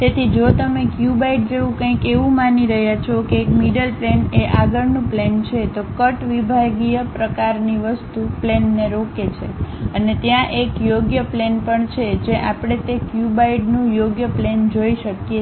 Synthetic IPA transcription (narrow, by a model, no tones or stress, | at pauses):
t̪et̪ʰid͡ʒot̪əmekjubaiɖ̚d͡ʒeʋũkə̃ĩkeʋũmaniɾəɦjat͡ʃʰokeːkmiɖəlpleneʔaɡəɾnũplent͡ʃʰet̪okəʈʋibʱaɡijəpɾəkaɾniʋəst̪uplenːeɾoket͡ʃʰeənet̪jãʔekjoɡjəplenpəɳt͡ʃʰed͡ʒeʔapɽ̃et̪ekjubaiɖnũjoɡjəplend͡ʒoiʃəkje